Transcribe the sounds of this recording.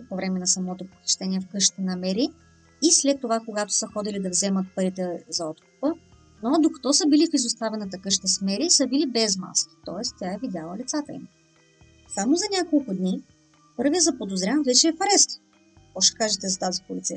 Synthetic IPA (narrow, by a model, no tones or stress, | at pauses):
povɾɛmɛnɐsɐmɔt̪opo̥xʲi̥ʃt̪ɛnʲiɛfkɤʃt̪ənɐmɛɾiː | slɛt̪ːovakoɡat̪o̥səxɔd̪ilid̪ɐvzɛmət̪̚pɐɾit̪ɛzɐɔt̪kʊ̥pə | nod̪okɐ̥t̪ɔsəbilifizʊst̪avɛnət̪əkɤʃt̪əsmɛɾisəbilibɛzma̰skʲi̥t̪ɔɛst̪t̪ʲjaɛvid̪ʲalˠəlit̪sat̪əḭm | samozɐnʲakolˠkʊd̪ni | pɤɾvijəzɐpod̪ozɾʲãvɛt͡ʃɛːfɾɛst̪ | ɔʃɛ̥kaʒɛt̪ɛzɐt̪azipolit̪sɛjə̰